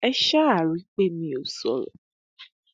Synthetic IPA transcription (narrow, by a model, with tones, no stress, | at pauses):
ɛ˦ʃa˦a˨ɾi˨˦k͡pe˦mĩ˨˦o˨sɔ˦lɛ̰˨